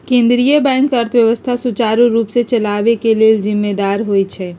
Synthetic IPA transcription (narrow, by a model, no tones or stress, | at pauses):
kẽnd̪ɾijəbɛ̃ŋkəɾt̪ʰʋjəʋəst̪ʰasut͡ʃaɾuɾupset͡ʃəlabekeleld͡ʒimːed̪aɾɦojt͡ʃʰɛ